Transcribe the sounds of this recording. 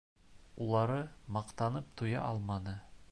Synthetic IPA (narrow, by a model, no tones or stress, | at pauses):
ulˠɑɾɤmɑqt̪ɑnɤp̚t̪ʰujɑ̰ʔɒlˠmɑnɤ